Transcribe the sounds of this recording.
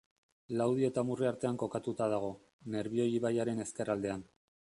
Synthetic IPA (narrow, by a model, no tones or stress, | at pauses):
lawð̞ie̞t̪amuriaɾt̪e̞aŋko̞kat̪ut̪að̞aɣ̞o̞ | ne̞ɾβio̞jiβajaɾe̞ne̞ske̞rald̪e̞an